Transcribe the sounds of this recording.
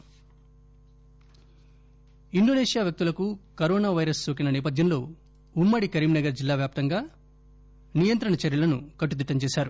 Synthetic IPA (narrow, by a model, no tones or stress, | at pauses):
iɳɖoneːʂijaːʋjɐk̚t̪ulɐkukɐɾoːnaːʋɐjɾɐsːoːk̬inɐnɛːp̬ɐd̪ʱjɐnlo̞̰ː | umːɐɽikɐɾiːmnɐɡɐɾd͡ʒilːaːʋjaːp̚t̪ɐŋɡaː | nijɐnt̪ɾɐɳɐt͡ʃɐɾjɐlɐnukɐʈːud̪iʈːɐmt͡ʃeːsaːɾu